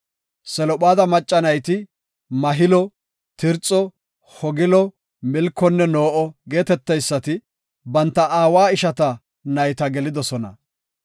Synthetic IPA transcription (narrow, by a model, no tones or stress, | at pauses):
sɛlɔɓaːd̪ɐmɐt͡ʃʼːɐnɐjt̪ɪ | mɐɦɪlɔ | t̪ɪɾt͡sʼːɔ | hɔɡɪlɔ | mɪlkːɔnːɛno̞ːʔɔɡe̞ːt̪ɛt̪ːɐjsːɐt̪ɪ | bɐnt̪ːɐʔaːwaːɪʃɐt̪ɐ | nɐjt̪ɐɡɛlɪd̪ɔsɔnɐ̰